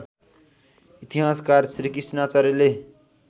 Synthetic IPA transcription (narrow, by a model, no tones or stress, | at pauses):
it̪iɦaskaɾsɾikisnat͡saɾile